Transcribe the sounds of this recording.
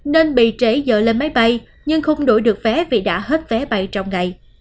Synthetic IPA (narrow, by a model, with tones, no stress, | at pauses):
ne˧nɓḭ˧˨t͡ɕe˨˦zə̰ː˧˨le˧nma˨˦jɓa˧j | ɲɨ˧ŋxə˧wŋ͡mɗo˧˩jɗɨ˨˩ək̚vɛ˨˦vi˨˩ɗa̰ː˧˥ɦe˦˥t̚vɛ˨˦ɓa˧jt͡ɕɔ˧wŋ͡mŋa˨˩j